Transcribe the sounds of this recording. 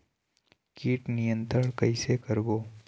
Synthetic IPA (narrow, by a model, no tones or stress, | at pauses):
kiːʈnɪjə̃nt̪ɾəɳ̃kɐɪsekəɾboː